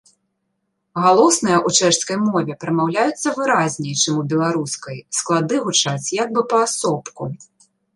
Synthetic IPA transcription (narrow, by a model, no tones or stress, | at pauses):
ɣalˠɔsnɨjɐʔut͡ʂɛʂskɐjmɔvʲɛpɾɐmawlʲajut̪sːɐvɨɾazʲnʲɛjt͡ʂɨmubʲɛlˠaɾuskɐjsklˠad̪ɨɣut͡ʂat͡sʲjaɡ̚bɨpɐːsɔpku